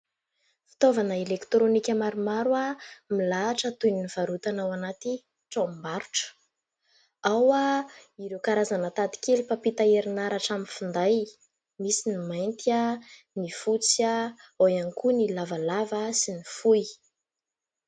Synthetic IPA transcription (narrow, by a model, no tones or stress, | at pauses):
fi̥t̪ovanəelekt̪ɾonikʲəmaɾumaɾwamilaːʈ͡ʂət̪ujniniv̥aɾut̪anawanat̪i | ʈ͡ʂommbaɾuʈ͡ʂə̥ | awaiɾewkaɾazanat̪ad̪i̥kelipapit̪aeɾinaɾaʈ͡ʂamifund̪aj | misinimajnt̪ia | nifut͡siaojankunilavalavasinifuj